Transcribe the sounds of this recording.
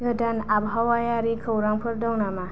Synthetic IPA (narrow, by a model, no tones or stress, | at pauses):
ɡʱɐʈɐnabʱawajaɾikʰɐwɾaŋpʰəɾdɐwnama